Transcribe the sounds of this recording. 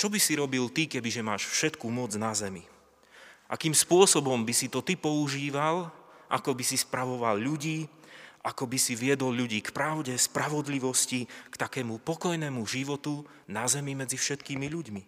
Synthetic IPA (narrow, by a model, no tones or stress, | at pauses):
t͡ʃɔbisiɾɔbilt̪ikɛbiʒɛmaːʃfʃɛt̪kuːmɔd͡znazɛmi | ʔa̰kiːmspʊɔsɔbɔmbisit̪ɔt̪ipɔuʒiːʋalʔa̰kɔbisispɾaʋɔʋalʎuɟiːʔakɔbisiʋɪɛd̪ɔlʎuɟiːkpɾaʊɟɛspɾaʋɔd̪liʋɔscikt̪akɛːmupɔkɔjnɛːmuʒiʋɔt̪u | nazɛmimɛd͡zifʃɛt̪kiːmiʎuɟmi